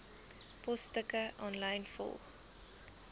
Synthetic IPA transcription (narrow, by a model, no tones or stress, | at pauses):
pɔstəkəʔɔnlɐjnfɔ̰lˠχ